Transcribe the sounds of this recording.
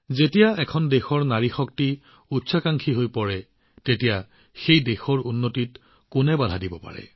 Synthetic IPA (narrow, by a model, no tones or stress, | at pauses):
zetijaɛkʰɔndexɔɹnaɹixɔk̚ti | utsʰakaŋkʰiɦojpɔɹɛ | tetija | xejdexɔɹunːotit | kʊnɛbadʱadibɔpa̰ɹɛ̰